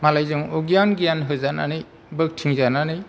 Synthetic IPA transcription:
malajzuŋɔɡijanɡijanɦɯzana̰nɯ | bɯk̚tʰiŋzananɯj

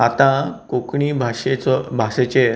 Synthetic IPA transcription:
at̪ãkokɳibʱaɕet͡sɔbʱaset͡ɕe

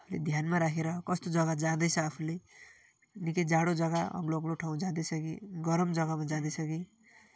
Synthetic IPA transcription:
ʌpulḛd̪ʱjanmaɾakʰeɾʌkʌst̪od͡zʌɡad͡zãd̪ʌjt͡sʰʌːpʰule | nikʌd͡zaɽod͡zʌɡaʌ̰ɡloʌɡloʈʰaũd͡zãd̪ʌjsʰʌɡḭɡʌɾʌmd͡zʌɡamad͡zãd̪ʌjsʰʌɡi

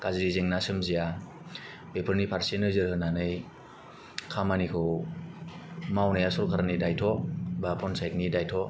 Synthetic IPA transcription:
kaziɾizeŋnasɯmzija | pepʰɯɾnipʰaɾsenɯzɯɾhɯnanɯj | kʰamanikʰɯw | mawnajasɔɾkʰaɾanidajtʰɔbapʰɔnsajt̚nidajtʰɔ

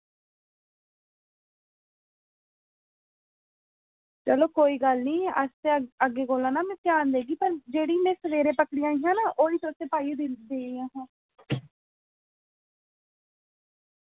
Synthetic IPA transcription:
t͡ʃəloːkoːiːɡəlniːə̰seəɡeːɡoːlãːnãːmɛ̃ːpjaːnd̪eːɡiːpəɾd͡ʒeːɽiːnẽːsəʋeːɾẽːpəkɽijãːijãːnaːʔoːiːt̪ʊseːpaːid̪ɪd̪eːiːãːɦãː

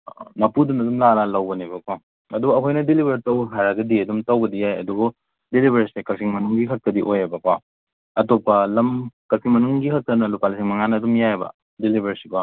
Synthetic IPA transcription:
nɐpudunɐdumlalalɐwbɐnibɐkwa | ɐdubɐɐkʰojnɐdilibʱɐɾtɐwbɐɦʰaɾɐɡɐdiɐdumtɐwbɐdijajɐ̰duɡu | dilibʱɐɾisekɐsiŋmɐnuŋɡikʰɐk̚tɐdiʔojebɐkwa | ɐtopːɐlɐmkɐsʰiŋmɐnuŋɡikʰɐk̚tɐnɐlupalsiŋmɐŋanɐːdumjajebɐ̰ | dilibʱɐɾsikwa

